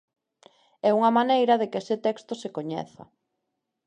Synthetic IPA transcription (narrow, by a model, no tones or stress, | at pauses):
ɛuŋɐmanejɾɐðekesɪt̪ɛkst̪osekoɲɛ̰θɐ̰